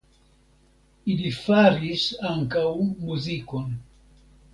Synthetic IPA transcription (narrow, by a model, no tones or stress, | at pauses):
ilifaɾiʃaŋkawmuzikwa